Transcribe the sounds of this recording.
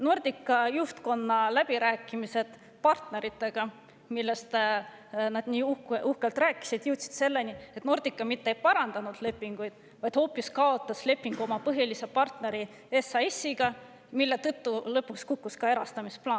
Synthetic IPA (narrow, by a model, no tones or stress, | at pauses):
nord̪̥ikːˑɑjuht̪ko̞nːɑlæb̥iɾæːkːˑimise̞d̪̥ | pɑrt̪ne̞ɾit̪ːˑe̞ɡ̥ɑ | milːe̞st̪ | nɑd̪niːuhkʔuhkelt̪rɾæːkːˑi̥sid̪̥juwt̪si̥d̪̥se̞lːe̞nie̞t̪ːno̞rd̪̥ikːˑɑmit̪ːejpɑɾɑnd̪̥ɑnud̪̥le̞pːˑiŋɡ̥ujd̪̥ | vɑjd̪̥ho̞ːpːiskɑo̞t̪ːˑɑsle̞pːiŋɡ̥uo̞mɑpɤɦilise̞pɑrt̪ne̞ɾi | e̞sɑesːiɡ̥ɑ | milːe̞t̪ɤt̪ːulɤpːˑukskukːuskɑe̞ɾɑst̪ɑmisplɑːn